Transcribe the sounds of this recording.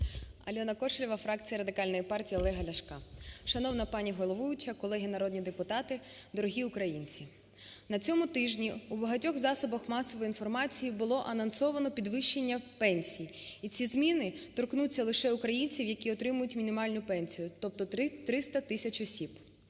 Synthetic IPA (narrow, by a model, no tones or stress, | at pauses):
ɐ̰lʲɔnɐkɔʃlʲiʋɐfɾɑkt͡sʲijɐɾɐd̪ɪkɑlʲnɔjipɑrtʲijiɔlˠɛɦɐlʲɐʃkɑʃɐnɔwnɐpɑnʲiɦɔlˠɔʋʊjʊt͡ʃɐkɔlˠɛɦinɐɾɔd̪ʲnʲid̪epʊt̪ɑt̪ɪd̪ɔɾɔɦʲiʊkɾɐjinʲt͡sʲi | nɐt͡sʲɔmʊt̪ɪʒnʲiubɐɦɐtʲɔxzɑsɔbɐxmɑsɔʋɔjinfɔrmɑt͡sʲijibʊlˠɔʔɐnɐnsɔʋɐnɔpʲid̪ʋɪʃːenʲːɐpɛnʲsʲijiit͡sʲizmʲinɪt̪ɔrknut͡sʲːɐlˠɪʃɛʊkɾɐjinʲt͡sʲiwjɐkʲiɔt̪ɾɪmʊjʊtʲmʲinʲimɑlʲnʊpɛnʲsʲijʊt̪ɔp̚t̪ɔt̪ɾɪt̪ɾɪst̪ɐt̪ɪsʲɐt͡ʃɔsʲib̥